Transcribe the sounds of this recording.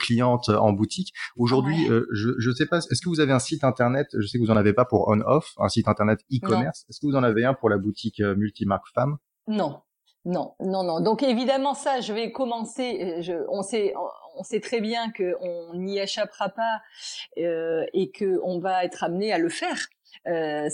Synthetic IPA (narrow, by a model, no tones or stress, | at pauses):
klijɑ̃t̪øɑ̰̃but̪ʰikoʒuʁd̪ɥiøʒəʒəsɛpasɛskəvuzaveɛ̃sit̪ɛ̃t̪ɛʁnɛt̪ʒəsɛkvuzɑ̃navepapuʁɔ̰nɔ̰fɛ̰̃sit̪ɛ̃t̪ɛʁnɛt̪ikkɔmɛʁsɛskəvuzɑ̃naveɛ̃puʁlabut̪ʰikømylt̪imaʁkfam | nɔ̃ | nɔ̃nɔ̃nɔ̃d̪ɔ̃kevid̪amɑ̃saʒəvɛkɔmɑ̃seʒəɔ̃sɛɔ̰̃ɔ̃sɛt̪χɛbjɛ̃kəɔ̃nieʃapʁapa | øekʰəɔ̃vaɛt̪χamnealəfɛːʁ | ø